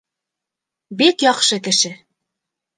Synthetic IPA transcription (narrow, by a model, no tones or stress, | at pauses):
bikjɒqʃɤkɘ̆ʃɘ